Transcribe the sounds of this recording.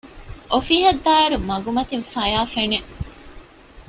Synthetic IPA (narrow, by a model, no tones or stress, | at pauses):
ʔofiːɦɐd̪ːaːɐɾumɐɡumɐt̪infɐjaːfene